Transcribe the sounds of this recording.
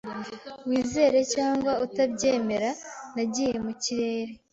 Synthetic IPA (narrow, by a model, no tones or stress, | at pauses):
wiːze̞ːɾe̞caːŋɡwautabɟe̞ːme̞ɾanaɟije̞muciɾe̞ːɾe̞